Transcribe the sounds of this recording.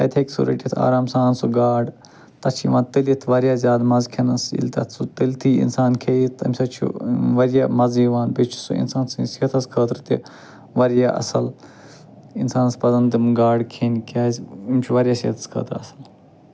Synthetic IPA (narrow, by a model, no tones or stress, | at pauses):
ɐ̰jt̪ʰekʲsṵɾɐ̰ʈit̪ʰa̰ːɾaːmsaːnsuɡaːɖ | t̪ɐt͡ʃʰiʋãːnt̪ilit̪ʰʋɐɾjaːzʲaːd̪mɐzkʰɐnɐsḭlʲt̪ɐ̰t̪ʰsut̪ilʲt̪ʰiːḭnsaːnkʰeːit̪ʰɐ̰mʲsɐt͡ʃʰṵʋɐɾjaːmɐziːʋaːnpet͡ʃʰu̥sṵḭnsaːnsĩsiɐt̪ʰɐskʰəːt̪ɾt̪ḭ | ʋɐɾjaːʔɐ̰sɐl | insaːnɐspɐzɐnd̪imɡaːɖkʰeːnkaːzʲimʲt͡ʃʰuʋɐɾjaːsiɐt̪ʰɐ̥skʰə̰ːt̪ɾɐsɐl